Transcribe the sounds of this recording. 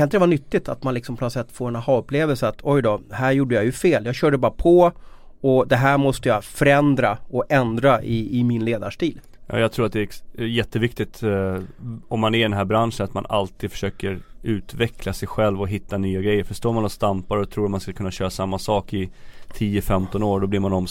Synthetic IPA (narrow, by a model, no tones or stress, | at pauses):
kʰanɪt̪dɛvanʏt̪ːɪt̪ʰa̰t̪manlɪksɔmpʰɔnɔt̪sɛt̪ːfoːɾɛnahɑːɵpːleːvɛlsəat̪ʰɔjd̪ɔɦæːɾjuːɖːəjajɵfeːljɑːɡɕœːɖəbɑːɾapʰɔ | ɔd̪ɛɦæːɾmɔst̪əjɑfœɾɛnd̪ɾaɔɛnd̪ɾaʔɪɪmɪnleːd̪aʂʈiːl | jɑ̰ːjɑɡt̪ʰɾuːɾat̪d̪ɛjɛt̪ːəvɪkt̪ɪt̪ | ɔmːanæɾɖ̪ɛnɦæːɾbɾanʂənat̪ma̰na̰lt̪ʰiːd̪fœ̥ʂøːkəɾʉ̟ːt̪vɛklasɛjɧɛlvɔɦɪt̪ʰːanyːaɡɾɛjːəɾfœʂt̪oːɾmanɔst̪ampaɾɔt̪ʰɾuːɾat̪manskakʰɵnːaɕøːɾasamːasɑːkɪt̪ʰiːəfɛmt̪ɔnoːɖɔblɪɾmanɔm